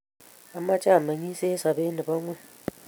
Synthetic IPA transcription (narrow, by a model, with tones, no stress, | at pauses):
a˦ma˦t͡ʃʼa˦˨ma˨ŋi˦sɛ˦sa˨be˦ni˨ba˦ŋwɛ˦